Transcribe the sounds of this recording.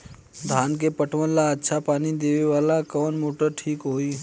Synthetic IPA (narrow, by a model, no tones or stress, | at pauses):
d̪ʱaːnkepəʈʰʋənlaətːʃʰapaːnid̪eːʋeʋaːlakəːnmoːʈəɾʈʰiːkɦoːiː